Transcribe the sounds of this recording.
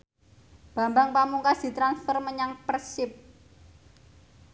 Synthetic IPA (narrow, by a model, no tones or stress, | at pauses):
b̥a̤mbaŋpamuŋkasd̪̥i̤t̪ɾansfɔrməɲaŋpərsɪp̚